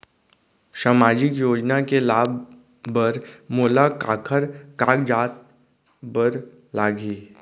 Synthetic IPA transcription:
ʃamaːd͡ʒɪkjoːd͡ʒnakelaːbː | əɾmoːlakaːkʰəɾkaːkd͡ʒaːt̪̚ | bəɾ | laːɡiː

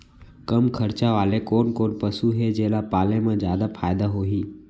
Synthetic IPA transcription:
kəmkʰəɾt͡ʃaʋaːlekoːnkoːnpəsuɦed͡ʒeːlapaːlẽmẽd͡ʒjaːd̪afʰaːjd̪aɦoːɦiː

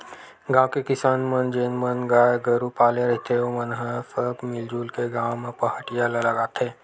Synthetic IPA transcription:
ɡãːwkekɪsaːnmənd͡ʒeːnmənɡaːjɡəɾupaːleɾɐɦt̪eomənɦəfəpmɪld͡ʒuːlkeɡaːmepəɦəʈijalɐlɐɡaːt̪ẽː

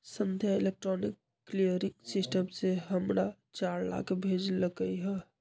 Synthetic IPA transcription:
sənd̪ʱjailek̚ʈɾɔnikːlijəɾiksisʈəmseɦəmɾa | t͡ʃaɾla̰kbʱed͡ʒləkəjɦə

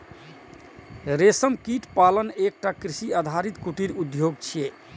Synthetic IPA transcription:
ɾesəmkiʈpalənek̚ʈakɾisiad̪ʱaɾit̪kuʈiɾud̪joɡt͡ʃʰije

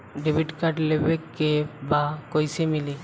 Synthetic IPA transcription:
ɖebiʈkaʈlebekːebakojsemili

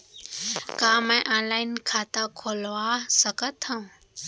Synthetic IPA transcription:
kaːmãjʔãnlaːinkʰaːt̪akʰoːlʋasəkət̪hã

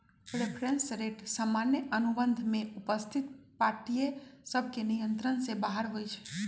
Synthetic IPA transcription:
ɾepʰɾensɾeʈsaːmanjəʔənubənd̪ʱmẽupəst̪ʰit̪̚paɾʈijesəb̚ʱkenijənt̪ɾənsebaɦəɾɦojt͡ʃʰɛ̥

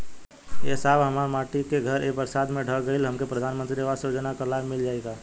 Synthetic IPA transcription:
eːsaːbɦəmaːɾmaːʈikeɡʱəɾebəɾsaːd̪mẽɖʱəɡəɪlɦəmkepɾəd̪ʱaːnmənt̪ɾiʋasjoːd͡ʒənakalaːbmɪld͡ʒaːeɡaː

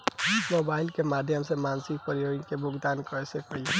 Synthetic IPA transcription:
mobailkemad̪ʱjəmsemansikpəɾijoinkebʱoɡd̪ankɔɾesekəi

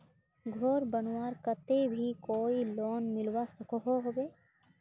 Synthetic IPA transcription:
ɡʱɔɾbənwaːɾkət̪ebʱikoːiloːnmɪlwasəkɔɦoɦobeː

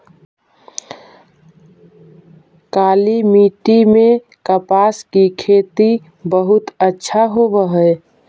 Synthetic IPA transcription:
kaːlimiːʈimẽ | kəpaːskikʰeːt̪i | bəɦʊt̪ətːʃʰaɦoʋəɦə

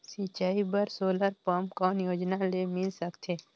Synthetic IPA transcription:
sit͡ʃaːibəɾsoːləɾpɔmkɔːnjoːd͡ʒnalemɪlsəkt̪ʰeː

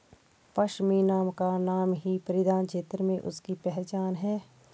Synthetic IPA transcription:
pɐʃmiːnaːmkanaːmɦipəɾɪd̪aːnt͡ʃʰeːt̪ɾmẽʔʊ̰skipɛɦt͡ʃaːnɦɛː

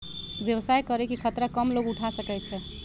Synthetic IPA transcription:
bjəwsajkəɾɛkikʰət̪ɾakəmloɡuʈʰasəkɛt͡ʃʰɛ

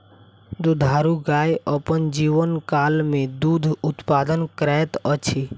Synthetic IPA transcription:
d̪ud̪ʱaːɾuɡaːjəpənd͡ʒiːʋənkaːlmẽd̪ud̪ʱʊt̪paːd̪ənkɾɛt̪ət͡ʃʰi

